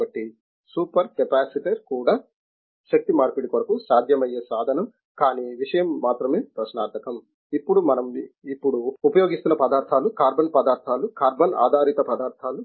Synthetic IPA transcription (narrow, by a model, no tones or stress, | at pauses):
ɐʈːi | suːpɐɾkepaːsiʈeɾkuːɽaː | ʃɐk̚t̪imaːɾpiɽikoɾɐkusaːd̪ʱjɐmɐjeːsaːd̪ʱɐnɐm | kaːniʋiʂɐjɐmːaːt̪ɾɐmeːpɾɐʃnaːɾt̪ʰɐkɐm | ipːuɽumɐnɐmipːuɽuːpɐjoːɡist̪unːɐpɐd̪aːɾt̪ʰaːlukaːɾbɐnpɐd̪aːɾt̪ʰaːlukaːɾbɐna̰ːd̪ʱaːɾit̪ɐpɐd̪aːɾt̪ʰaːlu